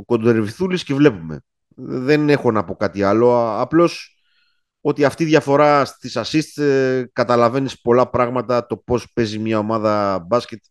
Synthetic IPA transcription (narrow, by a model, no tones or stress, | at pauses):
ko̞nd̪eɾviθuliscevle̞pume̞̰ | ðe̞ne̞xo̞nɐpo̞kɐt̪iɐlo̞ɐplo̞s | o̞t̪iɐft̪iðʝɐfo̞ɾɐst̪isɐsist̪kɐt̪ɐlɐve̞nispo̞lɐpɾɐɣmɐt̪ɐt̪o̞po̞spe̞zimɲɐo̞mɐðɐbɐsce̞t̪